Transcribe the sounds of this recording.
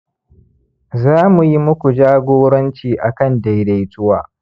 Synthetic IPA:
zaː˦mu˨ji˦mʊ˦kʷu˨d͡ʒaː˦ɡʷoː˦ɽɐ˦nt͡ʃiː˨ʔa˨kɐ˦˨nda˨jda˨jtʊ˦waː˨

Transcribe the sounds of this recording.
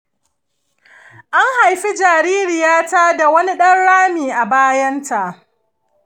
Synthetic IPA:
ʔa˦ŋha˨jɸi˦d͡ʒaː˨ɾiː˦ɾɪ˨jaː˦ta˦da˨wɐ˦ni˦ɗɐ˦nɽaː˦miː˨ʔa˨baː˦jɐ˦nta˨ʔ

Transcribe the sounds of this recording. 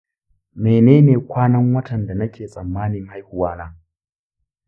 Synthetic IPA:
meː˨neː˦neː˨kʷaː˦nɐ˦ŋwɐ˦tʰɐ˨nda˨nɐ˦kʲeː˨sʼɐ˨mːaː˦nɪ˨ŋha˦jhʊ˦waː˦na˦

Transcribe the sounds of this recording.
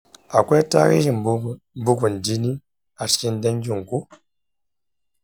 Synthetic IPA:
a˨kʷɛ˦ta̰˦ɣḭ˦ʒi˨m˨b | m˦bu˦ku˨n̩˨di˦ni˦ | a˨ski˦n̩˦dɛ˦ŋ˦ɡʲu˦˨ŋ˨ku˦

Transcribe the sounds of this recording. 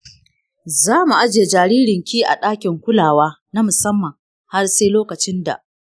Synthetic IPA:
zaː˦mu˨ʔa˦d͡ʒeː˨d͡ʒaː˨ɾiː˦ɽɪ˨ŋkʲiː˦ʔa̰˨ɗaː˦kʲɪ˨ŋkʷʊ˦laː˨waː˦ | na˦mʊ˨sɐ˦mːɐ˨ŋ | ha˦rseː˦loː˦kɐ˨t͡ʃɪ˦nda̰˨ʔ

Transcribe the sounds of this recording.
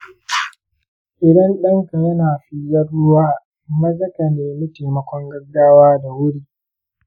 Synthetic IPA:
ʔɪ˨dɐ˦nɗɐ˦ŋka˨jɐ˦naː˨ɸi˦jɐ˦ɽːʊ˦waː˦˨ | mɐ˦zɐ˦ka˨meː˨mi˦teː˨mɐ˨kʷɔ˦ŋɡɐ˦ɡːaː˦waː˦da˨wʊ˦ɽiː˦

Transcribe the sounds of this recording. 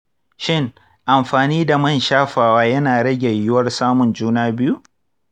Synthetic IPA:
ʃɪ˦ŋ | ʔa˨mɸaː˨niː˦da˨mɐ˦nʃaː˦ɸaː˨waː˦jɐ˦naː˨ɽɐ˦ɡʲɛ˨jɪ˦wɐ˦rsaː˦mʊ˨nd͡ʒuː˦naː˦bɪ˦ju˦ʔ

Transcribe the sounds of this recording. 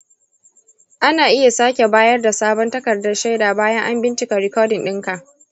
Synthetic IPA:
ʔa˦naː˨ʔɪ˦ja˨saː˦kʲe˨baː˦jɐ˦rda˨saː˦bɔ˦ntɐ˦kɐ˨rdɐ˦rʃa˦jdaː˨baː˦jɐ˦ŋʔa˦mbɪ˦nt͡ʃɪ˨ka˨ɾɪ˨kɔː˦dɪ˨nɗɪ˦ŋka˨

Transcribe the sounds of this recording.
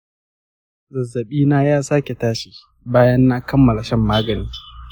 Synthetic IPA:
zɐ˨zːɐ˨ɓiː˦naː˦jaː˦saː˦kʲe˨taː˦ʃi̥ː˨ | baː˦jɐ˦nːaː˦kɐ˦mːɐ˨la˨ʃɛ˦mːaː˦ɡɐ˨niː˦

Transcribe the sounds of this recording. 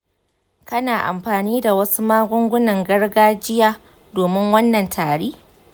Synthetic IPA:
kɐ˦naː˨ʔa̰˨mɸaː˨niː˦da˨wɐ˦su˦maː˦ɡʷʊ˦ŋɡʷʊ˦nɐ˨ŋɡɐ˦ɽɡaː˦d͡ʒɪ˦jaː˦ | doː˨mɪ˦ŋwɐ˦nːɐ˨ntʰaː˨ɽeː˦

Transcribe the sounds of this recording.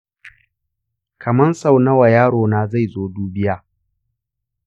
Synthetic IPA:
kʰɐ˨mɐ˦nsa˨wnɐ˦wa˨jaː˦ɽoː˨naː˦za˦˨jzoː˦duː˦bɪ˦jaː˦

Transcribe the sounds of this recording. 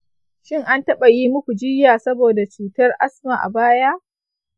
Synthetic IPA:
ʃɪ˦ŋʔa˦ntɐ˦ɓa˨jiː˦mʊ˦kʷu˨d͡ʒɪ˦jaː˨sɐ˦boː˨da˨t͡ʃuː˨tɐ˦rʔa̰˦sma˨ʔa̰˨baː˦jaː˦ʔ

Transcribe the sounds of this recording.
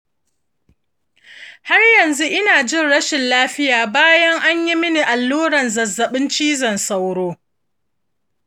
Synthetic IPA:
ha˦rjɐ˨nzu˦ʔɪ˦naː˨d͡ʒɪ˦˨nɽɐ˦ʃɪ˨nlaː˦ɸɪ˦jaː˨baː˦jɐ˦ŋʔa˦ɲji˦mɪ˦ni˨ʔa˨lːuː˦ɽɐ˨nzɐ˨zːɐ˨ɓɪ˦nt͡ʃiː˦zɐ˨nsa˦wɽoː˦

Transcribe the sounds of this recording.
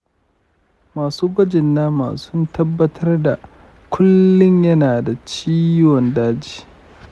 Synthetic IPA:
maː˨suː˦ɡʷɐ˦d͡ʒɪ˨nːaː˦ma̰ː˨sʊ˦ntʰɐ˦bːɐ˦tʰɐ˦rda˨ | kʷʰʊ˦lːʊ˦ɲjɐ˦naː˨da˨t͡ʃiː˦wɔ˨ndaː˦d͡ʒi̥ː˨

